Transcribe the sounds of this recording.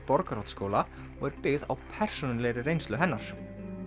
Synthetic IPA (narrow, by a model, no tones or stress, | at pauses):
pɔɾkaɾowt̪skoːwla | ɔɣɛɾpɪɣða̰wpʰɛr̥sɔnɪlɛjɾɪrejnst̪lʏɦɛnːaɾ̥